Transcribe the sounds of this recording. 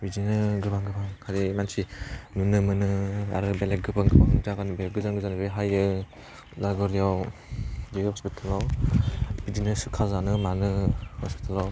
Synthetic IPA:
bizinɯɡɯbaŋɡɯbaŋkʰaɾimansinunɯmɯnɯa̰ɾɯbeleɡɯbɯŋɡɯbaŋd͡ʒaɡanɯbel̚ɡɯzaŋɡɯzanbeɦajɯ | laɡɔɾijaw | dihɔspitʰalɔw | bidinɯsɯkʰazanɯmanɯhɔspi̥tʰalɔw

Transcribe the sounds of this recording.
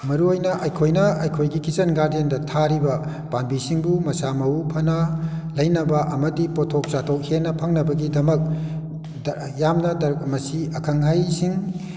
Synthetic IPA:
mɐɾuojnɐʔɐjkʰojnɐɐjkʰojɡikit͡ʃɐnɡaɾdendɐtʰaɾibɐ | panbisiŋbumɐsamɐwupʰɐnɐlɐjnɐbɐʔɐmɐdipotʰok̚t͡ʃatʰok̚henɐpʰɐŋnɐbɐɡidɐmɐk̚ | jamnɐdɐmɐsiɐkʰɐŋɦajsiŋ

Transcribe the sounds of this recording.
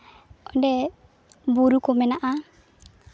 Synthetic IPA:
ɔndɛ | buɾukomɛnaʔa

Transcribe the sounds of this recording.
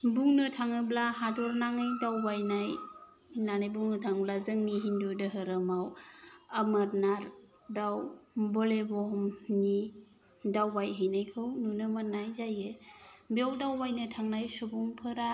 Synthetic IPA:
buŋnɯtʰaŋɯblaɦadɔɾnaŋɯjdawbajnaj | nanajbuŋnɯtʰaŋblazɯŋniɦindudɯɦɯɾɯmawamaɾnaɾ | dawbɔlebɔhmni | dawbajɦɯjnajkʰɯwnunɯmanajzajɯbiawdawbajnɯtʰaŋnajsubuŋpʰɯɾa

